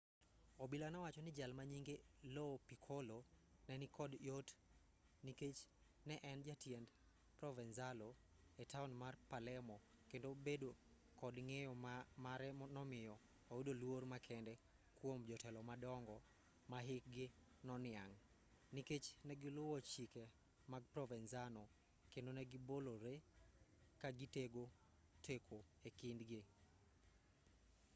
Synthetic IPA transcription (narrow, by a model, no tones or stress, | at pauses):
obilanawat͡ʃɔnɪd͡ʒalmaɲiŋɡelɔpikʰolonɛnɪkɔdjot | niket͡ʃ | nɛʔɛnd͡ʒatjend | pɾɔvɛnzalo | ɛtaunmarpalɛmɔ | kendobedo | kɔdŋejɔmaɾɛnɔmɪjɔ | owudolwormakʰɛndɛ | kwomd͡ʒɔtɛlɔmadɔŋɡɔ | maɦɪk̚ɡɪ | nɔnɪaŋ | niket͡ʃnɛɡɪlʊwɔt͡ʃike | maɡ̚prɔvɛnzanɔ | kendonɛɡɪboloɾe | kaɡɪteɡo | tʰekʰo | ekɪndɡɪ